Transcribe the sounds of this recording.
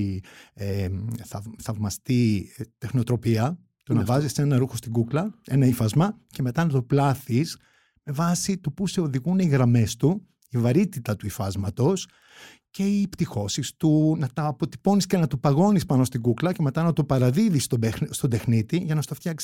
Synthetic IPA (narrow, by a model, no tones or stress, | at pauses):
eθɐθɐvmɐst̪it̪e̞xno̞t̪ɾo̞piɐ | t̪onɐvɐzise̞nɐɾuxo̞st̪iɡuklɐe̞nɐifɐzmɐce̞me̞t̪ɐnɐt̪oplɐθis | me̞vɐsit̪opuse̞o̞ðiɣuniɣɾɐme̞st̪u | ivɐɾit̪it̪ɐt̪uifɐzmɐt̪o̞s | ce̞ipt̪ixo̞sist̪unɐt̪ɐːpo̞t̪i̥po̞nisce̞nɐt̪upɐɣo̞nispɐno̞st̪iɡuklɐce̞me̞t̪ɐnɐt̪opɐɾɐðiðist̪ost̪o̞d̪e̞xnit̪iʝɐnɐst̪oft̪çɐksi̥